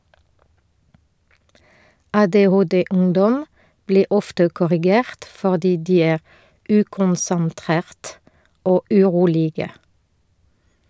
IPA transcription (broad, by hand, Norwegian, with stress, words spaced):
ʔɑːdeːˈhoːdeːˌʊŋdɔm ˈbliː ˈʔɔftə kɔʁɪˈɡeːʁt fɔʁˈdiː ˈdiː ˈæːʁ ˈʉːkʊnsənˌtʁeːʁt ˈoː ʔʉˈʁuːlɪɡə